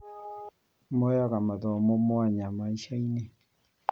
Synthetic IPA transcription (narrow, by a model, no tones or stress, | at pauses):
mojaɣamaðɔmomoaɲamaiʃaine